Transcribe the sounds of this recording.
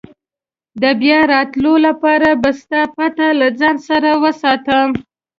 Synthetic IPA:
d̪əbjɑɾɑt̪lolapɑɾabast̪ɑpat̪alad͡zɑnsaɾawəsɑt̪əm

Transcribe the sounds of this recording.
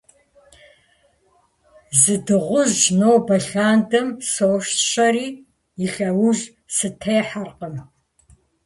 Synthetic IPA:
zɨdɨʁʷʊzʒnowbɐɬaːndɐmsoːʃtɕɐɾiː | ɪɬɐwʊʒ | sɨtʰeːħarqəm

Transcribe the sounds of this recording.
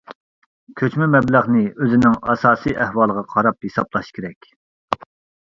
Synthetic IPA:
kʲʰøt͡ʃmymɛblæʁnɪøzɪnɪŋɑsɑːsijʔæhwɑlˠəʁɑqʰɑɾɑphesɑ̰blˠɑʃkʲʰeɾɛkʲ

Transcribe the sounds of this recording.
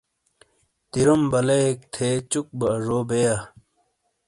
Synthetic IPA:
t̪iɾumbɐleek̚t̪ʰet͡ɕuk̚bɐʐoːbeja

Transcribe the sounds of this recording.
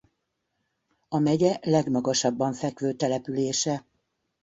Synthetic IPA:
ɒmɛɟɛlɛɡmɒɡɒʃɒbːɒɱfɛkʋøːt̪ɛlɛpyleːʃɛ

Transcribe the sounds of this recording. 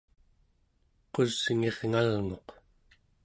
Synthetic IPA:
qozŋe̞ʁŋalŋo̞q

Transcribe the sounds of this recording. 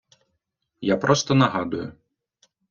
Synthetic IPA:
japɾʔɔst̪ɔnɐɦɑd̪ʊjʊ

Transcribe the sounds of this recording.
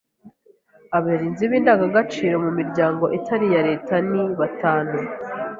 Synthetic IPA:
aβaeɾiːnziβiːndaɡaɡat͡ʃiːɾo̞mumiɾɟaːŋɡo̞ʔitʰaɾijaɾe̞ːtaniβataːnu

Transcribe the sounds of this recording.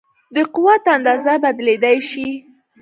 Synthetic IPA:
d̪əqʊwat̪and̪ɑzabad̪led̪ajʃi

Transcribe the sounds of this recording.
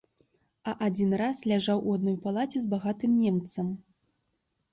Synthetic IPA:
ɐʔad͡zʲinraslʲaʐawʔuad̪nɔjpalˠat͡sʲɛzbaɣat̪ɨmnʲɛmt̪sɐm

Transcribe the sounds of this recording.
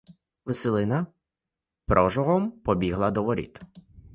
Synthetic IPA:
ʋɪselˠɪnɐ | pɾʔɔʒɔɦɔmpɔbʲiɦlˠɐd̪ɔʋɔɾʲḭt̪

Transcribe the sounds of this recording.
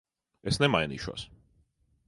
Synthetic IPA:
ɛsnɛmajnḭːʃuɔ̰s

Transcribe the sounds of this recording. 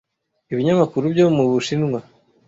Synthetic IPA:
iβiɲamakuɾubɟomuβuʃinŋwa

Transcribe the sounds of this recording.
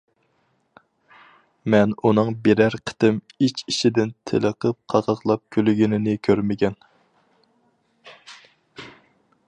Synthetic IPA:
mɛnunɨŋbeɾæɾqʰə̥t̪ɪm | it͡ʃiʃɪd̪ɪnt̪ʰɪ̰lˠəqʰəp̚qʰɑʁɑqlˠɑp̚kʲʰylɪɡʲinɪnɪkʲʰøɾmɪkʲɛn

